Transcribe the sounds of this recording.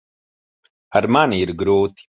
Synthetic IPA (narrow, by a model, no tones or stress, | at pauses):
ɐɾmaːniɾɡɾoːt̪